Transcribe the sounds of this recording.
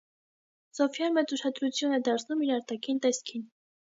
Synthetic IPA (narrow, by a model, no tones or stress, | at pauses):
sɔfjɑnmɛt͡suʃɑd̪ɾut͡sʰjunɛd̪ɑɾt͡sʰnumiɾɑɾt̪ɑkʰint̪ɛskʰin